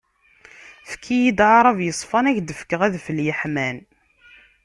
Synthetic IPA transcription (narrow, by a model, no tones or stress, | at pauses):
fkʰːijid̪ʕɾˤɑvjəsˤfɑnæçd̪əfkːəʁæðfəljəħmæn